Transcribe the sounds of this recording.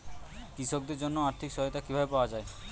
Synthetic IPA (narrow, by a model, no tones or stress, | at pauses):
kisok̚d̪eɾd͡ʑonːoaɾt̪ʰikʃɔɦet̪akibʱabepaoad͡ʑae